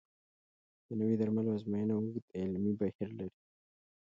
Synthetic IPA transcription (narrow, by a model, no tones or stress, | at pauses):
d̪̥ənəwid̪aɾmaloazmajanawʊɡd̪ɪlmibahiɾlaɾi